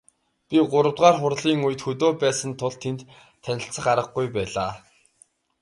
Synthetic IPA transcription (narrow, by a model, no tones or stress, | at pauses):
pʲiɢʊɾə̆wt̪ʁaːrχʊrɮiːŋujɘ̆t̪xɵt̪oːpæːsə̆nt̪ʰʊɮt̪ʰent̪ | t̪ʰːænʲɪ̆ɬt͡sə̆χaɾə̆χɡujpæːɮaː